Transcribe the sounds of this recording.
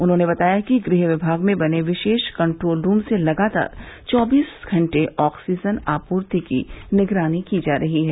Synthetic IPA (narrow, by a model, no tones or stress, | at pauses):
ʊnɦõːnebɐt̪aːjakiɡɾɪɦʋɪbʱaːɡmẽbɐneʋɪʃeːʃkɐ̃ɳʈɾoːlɾũːmselɐɡaːt̪a̰ːɾt͡ʃɔːbiːsɡʱɐ̃ɳʈeʔɔːksiːd͡ʒənaːpuːɾt̪ikḭnɪɡɾaːnikid͡ʒaːɾɐɦiɦɛː